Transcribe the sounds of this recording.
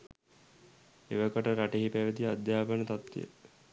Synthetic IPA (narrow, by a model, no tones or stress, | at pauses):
eʋəkəʈəɾaʈeɦipæʋed̪iad̪jaːpanət̪at̪ːḭjə̰